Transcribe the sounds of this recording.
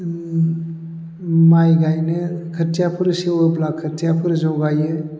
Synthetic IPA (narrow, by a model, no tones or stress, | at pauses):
majɡajnɯkʰɯɾtʰijapʰɯɾɯsewɯblakʰɯɾtʰijapʰɯɾɯzawɡajɯ